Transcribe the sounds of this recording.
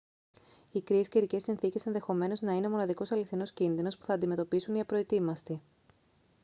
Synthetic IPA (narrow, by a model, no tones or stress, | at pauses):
ikɾiesceɾice̞sinθice̞se̞nðe̞xo̞me̞no̞znɐineomo̞nɐðiko̞sɐliθino̞scinðino̞spu̥θɐːnd̪ime̞t̪o̞pisuniɐpɾo̞it̪imɐst̪i